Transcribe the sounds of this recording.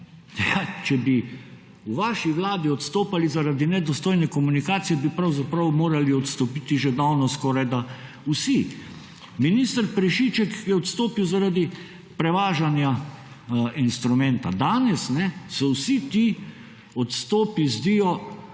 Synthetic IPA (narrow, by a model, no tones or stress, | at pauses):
jat͡ʃɛbi | uʋaːʃiʋlaːd̪iɔt̪st̪oːpalizaɾad̪inɛd̪ɔst̪oːjnɛkɔmunikaːt̪sijɛbipɾawzapɾawmoːɾaliɔt̪st̪ɔpiːt̪iʒɛd̪awnɔskɔːɾajd̪a | usi | minist̪əɾpɾɛʃit͡ʃɛkjɛɔt̪st̪oːpiwzaɾaːd̪i | pɾɛʋaːʒanja | inst̪ɾumɛ̃nt̪a̰d̪aːnɛsnɛsɔwsit̪i | ɔt̪st̪oːpizd̪iːjɔ